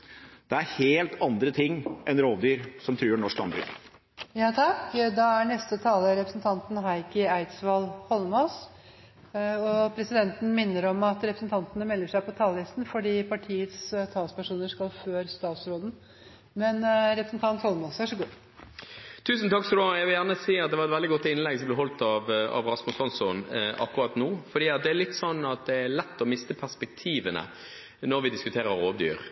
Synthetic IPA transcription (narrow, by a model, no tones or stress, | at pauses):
d̪̥ɛæɾheːlt̪ʰɑnd̪ɾət̪ʰɪŋːʔɛnɾoːʋd̪yːɾsɔmt̪ʰɾyːɳɔʂklɑ̰nby̰l | jɑːt̪ʰɑkd̪ɑæɳɛst̪ət̪ʰɑːləɾɛpɾə̥snt̪ʰɑnt̪nɦɑɪkəæɪt̪sʋɑlhɔlmos | ɔpʰɾɛsɪd̪ɛnt̪n̩mɪnːəɾɔmɑt̪ɾɛpɾəsn̩t̪ʰɑnt̪ənəmɛlːəʂæɪpɔt̪ʰɑːləlɪst̪n̩fɔɖiːpʰɑʈʰiːət̪st̪ʰɑːlspæʂuːnəʂkɑlføːɾst̪ɑːt̪sɾoːd̪n̩ | mɛnɾɛpɾəsn̩t̪ʰɑnt̪hɔlmɔsʋæʂɔɡuː | t̪ʰʉːsn̩t̪ʰɑkːsɔd̪oɛɪʋɪljæʁnəsiːɑt̪̚d̪ɛʋɑɾɛt̪ʋɛld̪ɪɡɔt̪ːɪnlɛɡsɔmblɛɦɔlt̪ɑʋɑ̰ʋʁɑsmʊsɔnsɔnɑ̰kːʊʁɑːt̪nuːfɔɖ̪iːɑt̪̚d̪ɛælɪt̪ːsɔnːɑt̪̚d̪ɛælɛt̪ːɔmɪst̪əpʰæspɛk̚t̪ʰiːʋənə̰ | nɔʁʋɪd̪ɪskʉt̪ʰeːʁəɾoːʋd̪y̰ːɾ